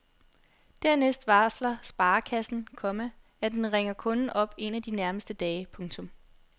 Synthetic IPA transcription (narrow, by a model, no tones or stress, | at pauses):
d̥æɐnesd̥ʋɑ̈slɐsb̥ɑ̈ːkʰæsn̩kʰɒ̽mæ | æd̥enʁeŋɐkʰɔ̽nn̩ʔɒ̽b̥e̝næd̥inæɐməsd̥əd̥ɛːɪpʰɔ̽ŋt͡sʰɔ̽m